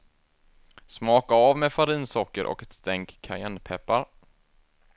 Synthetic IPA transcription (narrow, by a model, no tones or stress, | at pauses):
smɑːkaːvmefaɾiːnsɔkːəɾʔɔ̰kɛt̪st̪ɛŋkʰːa̰ɪɛnpʰɛpːaɾ